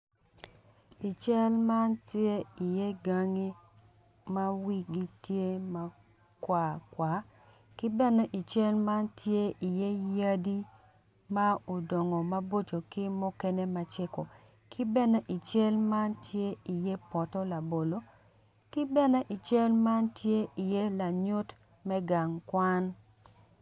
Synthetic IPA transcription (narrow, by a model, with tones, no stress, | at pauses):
i˨t͡ʃɛ˦lma˦ntje˦i˨je˦ɡa˦ŋi˦ | ma˦wi˦ɡi˦tje˦ma˦ | kwa˨kwa˨˦ | kɪ˦bɛ˦nɛ˦ʔi˨t͡ʃe˦lma˦ntʰje˦i˨je˦ja˦di˦ | ma˦o˨dɔ˨ŋɔ˨ma˦bo˦t͡ʃo˨kɪ˦mo˦kɛ˦ne˦ma˦t͡ʃɪ˦ko˨ | kʰɪ˦bɛ˦ne˦ʔi˨t͡ʃe˦lma˦ntʰje˦i˨je˦pɔ˨tɔ˦la˨bo˨lo˦ | kɪ˦bɛ˦nɛ˦ʔi˨t͡ʃe˦lma˦ntʰje˦i˨je˦la˨ɲʊ˦t | mɛ˦ɡa˨ŋkwa˦n